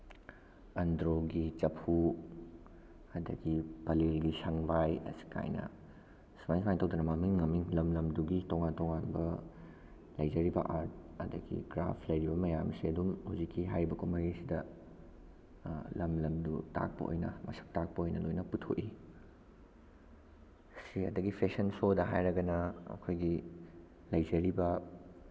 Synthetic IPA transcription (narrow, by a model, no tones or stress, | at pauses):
ɐndɾoɡit͡ʃɐpʰu | ɐdɐ̰ɡipɐlelɡisɐŋbajɐ̰si̥kʰa̰jnɐ̰ | smajnsmajntɐwdɐnɐmɐmiŋːɐmiŋlɐmlɐmduɡitoŋantɔŋanbɐ | lɐjd͡ʒɐɾibɐʔaɾt̚ɐdɐ̰ɡḭɡɾa̰pʰlɐjɾibɐmɐjamsiɐdumhuzikʰːiɦajɾibɐkomɐɾisidɐ | lɐmlɐmduta̰k̚pɐ̰ʔo̰jnɐ̰mɐ̰sɐ̥k̚tak̚pɐojnɐlojnɐputʰo̰ʔi | siɐ̰dɐɡipʰeksɐnsodɐɦajɾɐɡɐnɐɐ̰kʰojɡi | lɐjzɐɾibɐ